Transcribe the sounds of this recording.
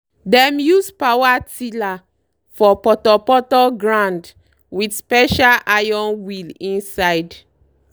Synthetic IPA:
dɛ̃mjuspawatila | fɔpɔtɔpɔtɔɡɹãnd | widspɛʃalajɔ̃nwilĩnsajd

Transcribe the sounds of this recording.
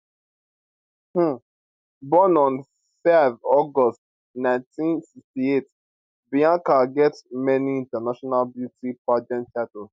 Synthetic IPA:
h̩ | bɔ̃nɔ̃n | fɛvɔɡɔst | nãɪ̃ntĩnsikstiet | biãŋkaɡɛtmɛniĩntanaʃɔnalbjutipad͡ʒɛ̃nt͡ʃatɔ

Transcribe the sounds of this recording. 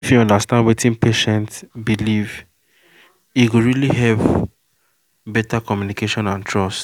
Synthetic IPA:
ifjuɔ̃ndastãndwetĩnpʰeʃɛ̃ntbiliv | iɡoɹiliɦɛv | bɛtakɔmjunikeʃɔ̃nãntʰɹɔst

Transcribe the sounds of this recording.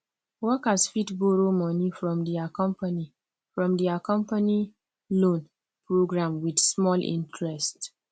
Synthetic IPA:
wɔkasfitboɹomɔnifɹɔ̃mdiakɔ̃mpani | fɹɔ̃mdiakɔ̃mpani | lõn | pɹoɡɹãmwidsmɔlʔḭ̃ntɹɛst

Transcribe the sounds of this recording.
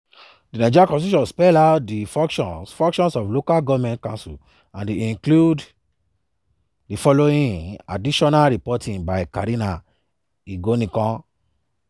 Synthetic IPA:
dinad͡ʒɔakɔ̃siʃɔ̃nspɛladifɔ̃kʃɔ̃nsfɔ̃ŋkʃɔ̃nsɔflokalɡɔvmɛ̃ntkãnsṵl | ãndeĩŋklud | defɔloĩna̰diʃɔnalɾipɔtĩŋbaɪkaɾina | iɡonĩkɔ̃

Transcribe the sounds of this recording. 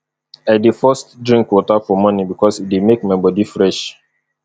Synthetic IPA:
aɪdefɔstdɹĩŋkwɔtafɔmɔnibikɔsit̚demekmaɪbɔdifɹɛʃ

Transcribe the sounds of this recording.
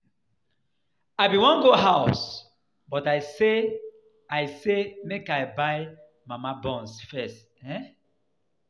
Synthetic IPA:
aɪbiwɔ̃nɡoɦaʊs | bɔtaɪse | aɪsemekaɪbaɪ | mamabɔ̃nsfɛst | ɛ

